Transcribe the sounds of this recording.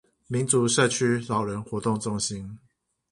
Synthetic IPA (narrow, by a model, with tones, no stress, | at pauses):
mi˨˦nt͡su˨˦ʂə˥˧t͡ɕʰy˥lɑ˨˩ʊɻə˨˦nxwɔ˧˥t̪ʊ˥˧ŋt͡sʊ˥˩ŋɕi˦n